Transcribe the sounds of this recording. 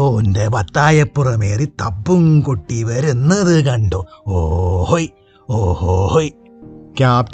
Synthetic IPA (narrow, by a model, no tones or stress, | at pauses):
oːndebɐt̪ːaːjɐpːurɐmeːrit̪ɐbːumkoʈːiʋɐɾunːɐðɨkɐɳɖoːoːhohoj | oːhoːhoj | kaːp